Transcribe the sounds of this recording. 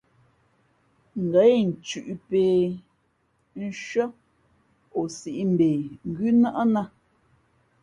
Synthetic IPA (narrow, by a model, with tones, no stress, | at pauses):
ŋ̩˨ɡɛ˨˦jn̩˨t͡ʃʉ˨ʔpe˨ | n̩˦ʃɥɔ˦ | o˨si˨ʔi˦m̩˨be˨ŋ̩˨ɡʉ˦na˦ʔa˦na˦